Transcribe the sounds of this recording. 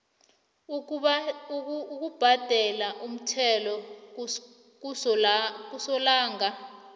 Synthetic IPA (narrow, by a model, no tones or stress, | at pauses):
uk̬ub̥ʱad̥ʱɛlaʔum̩tʰɛlɔ | k̬usɔlaːŋa